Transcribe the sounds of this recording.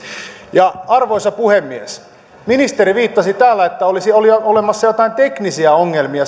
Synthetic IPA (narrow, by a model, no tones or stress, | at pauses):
jɑɑrʋoisɑpuhemːies | minist̪eɾiʋiːt̪ːɑsit̪æːlːæet̪ːæolisioliolemɑsːɑjo̞t̪ɑint̪eknisiæoŋːelmiɑ